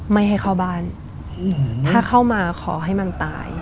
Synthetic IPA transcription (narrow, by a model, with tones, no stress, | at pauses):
ma˥˩jɦa˥˩jkʰaː˥˩wbaː˥˩n | t̪ʰaː˥˩kʰa˥˩wmaː˧kʰɔː˩˦ɦa˥˩jma˧nt̪a̰ː˧˩j